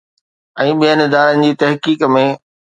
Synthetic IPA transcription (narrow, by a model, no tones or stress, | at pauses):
ɛ̃ːɓijənɪd̪aːɾənɪ̆d͡ʑiːt̪ɐɦkiːkmẽ